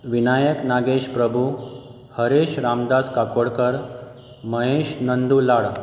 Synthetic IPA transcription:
ʋinajəknaɡeɕpɾəbʱu | həɾeɕɾamd̪askakoɽkəɾ | məɦeɕnənd̪ulaɭ

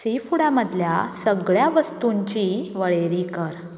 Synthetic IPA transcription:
sifuɽaməd̪ʱljasəɡɭjaʋəst̪uɲt͡ɕiʋəɭeɾikəɾ

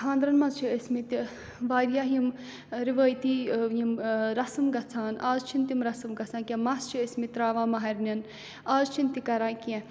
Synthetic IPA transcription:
ɦʰãːnd̪ɾɐnmɐzt͡ʃʰiesmit̪i | ʋaːɾjaːɦjim | ɾiʋəːjt̪iːjimɾɐsɐmɡɐt͡sʰaːnʔaːzt͡ʃʰint̪imɾɐsɐmɡɐt͡sʰãːnkʲẽmɐst͡ʃʰiesmit̪ɾaːʋãːmɐɦɐɾʲnʲɐn | aːzt͡ʃʰint̪ikɐɾãːkẽ

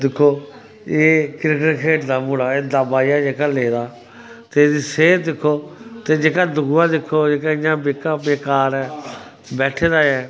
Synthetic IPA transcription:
d̪ɪkʰːoː | eːkɪɾəkəɾkʰeːʈd̪aːmuːlaːeːd̪aːbaːijaːd͡ʒeːkaːleːd̪aː | t̪eːd̪iːseːd̪ɪkʰːoːt̪eːd͡ʒeːkaːd̪ʊɡuãːd̪ɪkʰːoːd͡ʒeːkaːɪjãːbeːkãːbeːkaːɾɛː | bɛːʈʰeːd̪aːɛː

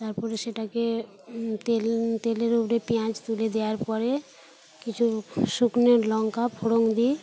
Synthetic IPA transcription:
t̪aɾpɔɾeʃeʈake | t̪elt̪eleɾupɾepiãt͡ʃt̪uled̪eaɾpɔɾe | kit͡ɕʰuʃukneɾlɔŋkapʰoɽoŋd̪i

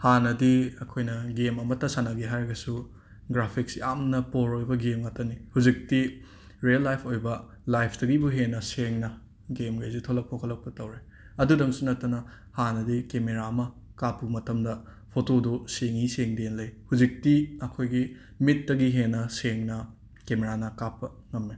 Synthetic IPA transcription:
hanɐdiɐkʰojnɐɡemɐmɐtɐsanɐɡeɦaɾɡɐsu | ɡɾapʰiksiamnɐpoɾojbɐɡemŋatɐnihud͡ʒik̚ti | ɾiɐlːajpʰojbɐ | lajpʰd̥ɐɡibuɦenɐseŋnɐ | ɡemɡɐjzitʰolɐk̚pʰokʰɐlːɐk̚pɐtɐwɾe | ɐdudɐŋsunɐtːɐnɐ | hanɐdikemeɾaɐmɐ | kapːuɡmɐtɐmdɐ | pʰotoduseŋiseŋdenlɐjhuzik̚tiɐkʰojɡi | mit̚dɐɡiɦenɐseŋnɐ | kemeɾanɐkapːɐ | ŋɐmːe

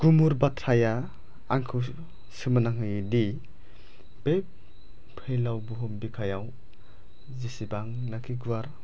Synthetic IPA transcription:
ɡ̥umuɾbatʰɾaja | aŋkʰɯ | sɯmɯnaŋɯjdi | b̥ep̚ | pʰɯjlawbuɦumbikʰajaw | zisibaŋnakʰiɡuwaɾ

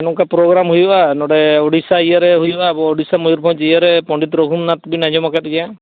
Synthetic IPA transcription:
ɛnɔkapɾɔɡɾamɦujuʔanɔɽɛɔɽisajaɾɛɦujuʔabɔɔɽisamɔuɾbʱɔ̃d͡ʒɛjaɾɛpɔ̃ɳɖit̪ɾɔɡʱumnat̪binad͡ʒɔmakat̪̚ɡɛjã

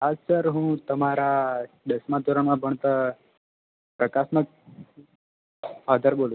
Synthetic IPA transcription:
ad͡zsəɾɦũːt̪əmaɾa | ɖ̪əsmãd̪uɾəɳmãbʱəɳ̃t̪ə | pɾəkasmək̚ | ad̪ʱəɾbolũ

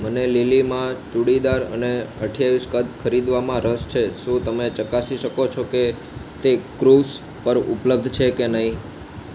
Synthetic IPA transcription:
mənelilimãt͡ʃuɽid̪aɾə̰neəʈʰijaʋiskəd̪kʰəɾid̪ʋamãɾəst͡ʃʰeʃũt̪əmet͡ʃəkasiʃəkot͡ʃʰoke | t̪ekɾus | pəɾṵpləb̚d̪ʱt͡ʃʰekenəɦĩ

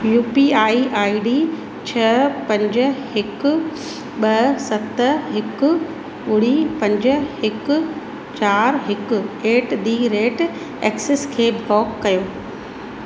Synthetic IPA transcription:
juːpiaːiʔaːiɖi | t͡ɕʰɐpɐ̃ɲd͡ʑ̆ɦɪkʊ̆ | ɓɐsɐt̪ɦɪkʊ̆ | ʊɽipɐ̃ɲd͡ʑəɦɪkʊ̆ | t͡ɕaːɾɦɪkʊ̆eːʈd̪iːɾeːʈ | ɛːkseskʰeːbʱɔːkːɐjoː

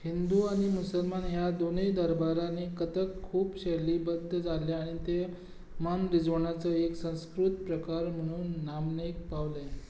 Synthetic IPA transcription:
hind̪uaɽ̃imusəlmanɦjad̪onejd̪əɾbaɾanekət̪əkkʰːuːpɕeliːbəd̪ʱːəd͡zaleaɽ̃it̪e | manɾid͡zʋəɳ̃at͡səeksə̃w̃skɾut̪pɾəkaɾm̤əɽ̃uːnːamnekpaʋle

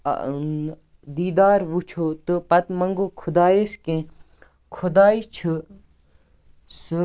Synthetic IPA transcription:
d̪iːd̪aːɾʋut͡ʃʰot̪ɨpɐt̪mɐŋɡoːkʰud̪aːjeskẽ | kʰud̪aːit͡ʃʰu | su

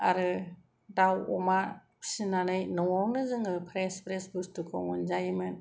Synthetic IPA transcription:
a̰ɾɯ | dawɔmḁ | sinanɯjnɔŋɔŋnɯzɯŋɯpʰɾespʰɾesbustukʰɔ̰ŋɔnzajmɯn

